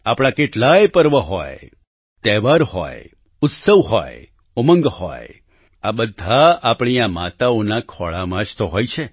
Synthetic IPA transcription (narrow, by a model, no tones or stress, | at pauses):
apɽ̃akeʈlajpəɾʋəɦɔ̰j | t̪ɛʋaɾhɔ̰j | ʊt̪səʋhɔ̰j | omə̃ŋɡhɔ̰j | abəd̪ʱːaapɳijamat̪aonakʰɔɭamãd͡ʒt̪oɦɔjt͡ʃʰe